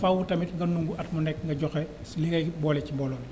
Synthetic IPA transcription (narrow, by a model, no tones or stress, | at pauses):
fawutɐmitŋɡɐnuŋɡuɐtmunɛk̚ŋɡɐɟɔxɛ | sliɡɐjbɔːlɛcimbɔːlɔn